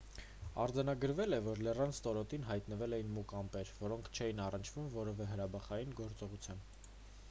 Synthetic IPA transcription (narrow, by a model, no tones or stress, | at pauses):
ɑ̰ɾd͡zɑnɑɡəɾvɛlɛvɔɾlɛrɑnst̪ɔɾɔt̪inɦɑjt̪nəvɛlɛjinmukɑmpɛɾvɔɾɔŋkʰt͡ʃʰɛjinɑrənt͡ʃʰv̥umvɔɾɛvɛɦəɾɑbɑχɑjinɡɔɾt͡sɔʁut͡sʰjɑn